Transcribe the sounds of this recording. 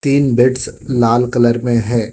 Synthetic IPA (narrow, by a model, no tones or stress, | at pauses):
t̪iːnbɪʈslaːlkɐləɾmẽɦɛ̃ː